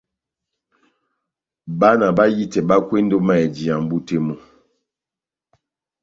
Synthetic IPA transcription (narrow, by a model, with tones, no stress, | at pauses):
ba˦na˨ba˦ji˦tɛ˨ba˦kwe˦n̩˦do˦ma˦˨ɛ˨d͡ʒi˨a˨m˦bu˦te˦mu˨